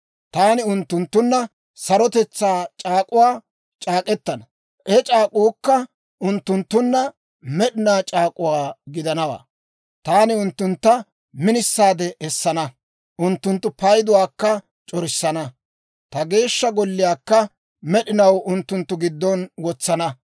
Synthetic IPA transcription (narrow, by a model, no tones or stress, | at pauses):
t̪aːnɪʊnt̪ːʊnt̪ːʊnːɐ | sɐɾɔt̪ɛt͡sːaːt͡ʃʼaːkʼʊwaː | t͡ʃʼaːkʼɛt̪ːɐnɐ | ʔɛt͡ʃʼaːkʼuːkːɐ | ʔʊnt̪ːʊnt̪ːʊnːɐ | mɛɗɪnaːt͡ʃʼaːkʼʊwaːɡɪd̪ɐnɐwa̰ː | t̪aːnɪʊnt̪ːʊnt̪ːɐ | mɪnɪsːaːd̪ɛʔɛsːɐnɐ | ʔʊnt̪ːʊnt̪ːʊpɐjd̪ʊwaːkːɐ | t͡ʃʼɔɾɪsːɐnɐ | t̪ɐɡe̞ːʃːɐɡɔlːɪjaːkːɐ | mɛɗɪnɐwʊnt̪ːʊnt̪ːʊɡɪd̪ːɔnwɔt͡sːɐnɐ